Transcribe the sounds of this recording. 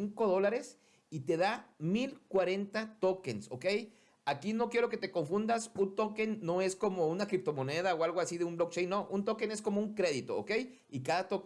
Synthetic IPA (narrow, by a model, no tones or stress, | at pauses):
iŋkoðolaɾes | it̪eðamilkwaɾent̪at̪okenso̰kej | akinokjeɾoket̪ekoɱfund̪asunt̪okenːoeskomounakɾip̚t̪omoneð̞aoalɣoasiðeumblok̚t͡ʃejnːoʔunt̪okeneskomouŋkɾeðit̪oo̰kej | ikaðat̪ok